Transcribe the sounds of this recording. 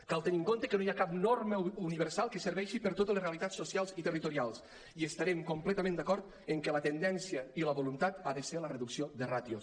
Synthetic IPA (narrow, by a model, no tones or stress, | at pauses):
kalˠt̪əniŋkont̪əkənojakap̚norməuniβəɾsalˠkəsəɾβɛʃipəɾt̪ot̪̬ələsreəlit̪asːosialˠzit̪ərit̪uɾialˠs | iəst̪aɾɛmkumplɛt̪əmẽnd̪akɔɾt̪ | əŋkɛlət̪ənd̪ɛnsiəiləβolunt̪at̪aðəseɾlərəðuksioðərat̪jo